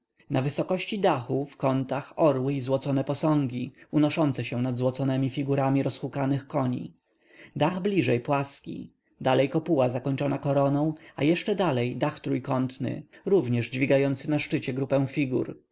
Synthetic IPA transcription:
navɘsɔkɔɕt͡ɕid̪axufkɔnt̪axɔɾwɘizwɔt̪sɔnɛpɔsɔ̃ŋɡʲiunɔʂɔnt̪sɛɕɛnad̪zwɔt̪sɔnɛmʲifʲiɡuɾamʲiɾɔsxukanɘxkɔɲḭ | d̪aɣblʲiʐɛjpwaskʲḭ | d̪alɛjkɔpuwazakɔɲt͡ʂɔnakɔɾɔnɔ̃w̃a̰jɛʂt͡ʂɛd̪alɛjd̪axt̪ɾujkɔnt̪nɘ̰ɾuvɲɛʐd͡ʑvʲiɡajɔnt̪sɘnaʂt͡ʂɘt͡ɕɛɡɾupɛw̃fʲiɡṵɾ

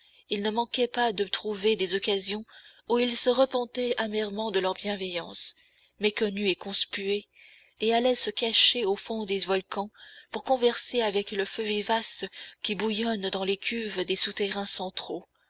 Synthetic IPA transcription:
ilnəmɑ̃kɛpad̪ət̪χuved̪ezɔkazjɔ̃uilsəʁəpɑ̃t̪ɛamɛʁmɑ̃d̪əlœʁbjɛ̃vɛjɑ̃s | mekɔnyekɔ̃spye | ealɛsəkaʃeofɔ̃d̪evɔlkɑ̃puʁkɔ̃vɛʁseavɛkləføvivaskʲibujɔnd̪ɑ̃lekʲʰyvd̪esut̪eʁɛ̃sɑ̃t̪χo

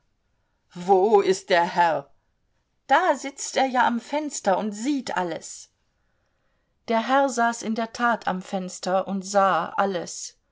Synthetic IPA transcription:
voːɪst̚d̥eːɐhɛʁ | d̥aːzɪt͡stʔeːɐjaːʔamfɛnstɐʊntz̥iːtʰʔa̰lə̰s | d̥eːɐɦɛɐzaːsɪndeːɐtʰaːtʰa̰mfɛnstɐʔʊntz̥aːʔaləs

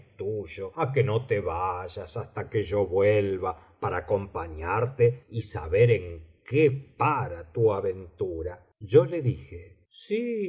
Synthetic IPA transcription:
t̪uʒoakeno̞t̪eβaʒasast̪akeʒo̞βwelβa | paɾaːko̞mpaɲaɾt̪eisa̰βeɾeŋkepaɾat̪uaβe̞nt̪uɾa | ʒo̞leðixe | si

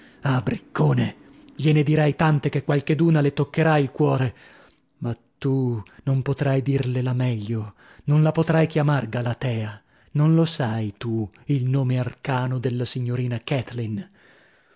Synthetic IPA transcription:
abɾikːoːne | ʎened̪iɾajt̪ant̪ek̟ekːwalked̪uːnalet̪okːeɾailkwɔːɾe | mat̪ːunompot̪ɾajd̪irlelamɛʎːo | nonlapot̪ɾajkjamarɡalat̪ɛːa | nonlosajt̪u | ilnoːmearkaːnod̪elːasiɲːoɾiːnakɛt̪lin

